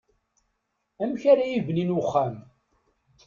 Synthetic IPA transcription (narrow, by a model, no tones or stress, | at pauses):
æmçaɾajivninwʊχːæm